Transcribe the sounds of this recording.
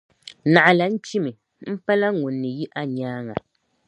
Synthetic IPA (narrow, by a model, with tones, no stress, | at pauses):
na˨ʔa˨la˨˦n̩˦t͡ʃi˦mɨ˨ | m̩˦pa˦la˦ŋu˨nːɨ˨ji˦ʔa˦ɲaː˦ŋa˨